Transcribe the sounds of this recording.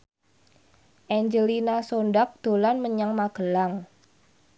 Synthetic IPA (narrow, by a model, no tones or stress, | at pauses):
ʔɛɲd͡ʒəlinasondak̚d̪̥o̤lanməɲaŋmaɡ̥əlaŋ